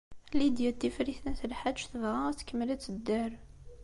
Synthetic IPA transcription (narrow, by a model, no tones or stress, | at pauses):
lid̪jæt̪ːifɾiθnæθəlħaʃθəvʁaθkːəmːlæt͡sːəd̪ːæɾ